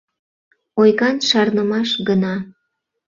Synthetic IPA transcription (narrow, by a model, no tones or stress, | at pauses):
ojɣɑnʃɑrnəmɑʃɡənɑ